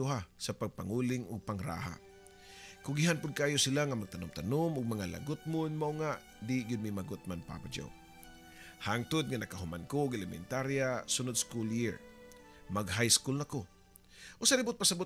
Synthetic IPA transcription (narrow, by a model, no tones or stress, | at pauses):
ʊɦasɐpaɡ̚paŋulɪŋʊɡ̚paŋɾa̰ːɦa̰ | kʊɡɪɦanpʊd̪̚kaːjosɪlaŋamɐɡ̚t̪anʊmt̪anomʊɡ̚mɐŋala̰ɡʊt̪̚mʊnmaʔʊŋaʔ | d̪ɪɡʊd̪̚mɪmaɡʊt̪̚manpa̰bad͡ʒa̰w | haŋt̪ʊd̪̚ŋanɐkaɦʊmankoʊɡɛlɛmɛ̰nt̪aɾjasʊnʊd̪skuljɪɹ | maɡɦajskʊlnako | ʔosalɪbʊt̪̚pasabʊt